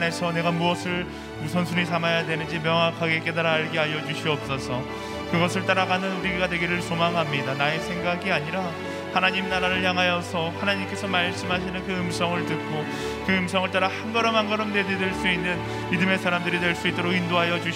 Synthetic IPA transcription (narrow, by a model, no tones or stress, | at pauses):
ne̞sʰʌne̞ɡamuʌsʰɯɭ | usʰʌnsʰunisʰamajadwe̞nɯnd͡ʑimjʌŋɦakʰaɡe̞k͈e̞daɾaɭɡeajʌd͡ʑuɕʰiʌp̚s͈ʌsʰʌ | kɯɡʌsʰɯɭt͈aɾaɡanɯnuɾiɡeɡadwe̞ɡiɾɯɭsʰomaŋɦamɲidanaesʰe̞ŋɡaɡiaɲiɾa | hanaɲimnaɾaɾɯɭjaŋɦajʌsʰʌhanaɲimk͈e̞sʰʌmaɭs͈ɯmɦaɕʰinɯnkɯɯmsʰʌŋɯɭtɯk̚k͈o | kɯɯmsʰʌŋɯɭt͈aɾahanɡʌɾʌmɦanɡʌɾʌmnededeɭs͈uinːɯn | midɯme̞sʰaɾamdɯɾidwe̞ɭs͈uit͈oɾoɡindoɦajʌd͡ʑuɕ